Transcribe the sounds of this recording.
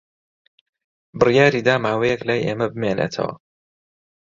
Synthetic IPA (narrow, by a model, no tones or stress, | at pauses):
bɨrjaːɾiːd̪aːmaːwejɛklaːjʔeːmɐbɨmeːnḛːt̪ʰɐ̰wɐ̰